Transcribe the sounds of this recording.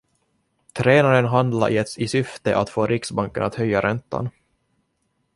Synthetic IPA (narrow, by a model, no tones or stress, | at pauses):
t̪ʰɾeːnaɾənɦand̪la̰ɾʔɪɛt̪sɪsʏft̪əʔat̪foːɾʔɪksbaŋkənat̪hœjːaɾɛnt̪ːa̰n